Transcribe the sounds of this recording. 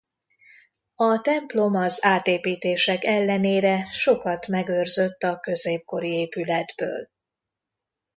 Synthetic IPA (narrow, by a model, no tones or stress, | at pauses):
ɒt̪ɛmplo̞mɒzaːt̪eːpiːt̪eːʃɛkɛlːɛneːɾɛʃo̞kɒt̪mɛɡørzø̞t̪ːɒkø̞zeːp̚ko̞ɾieːpylɛd̪bø̰ːl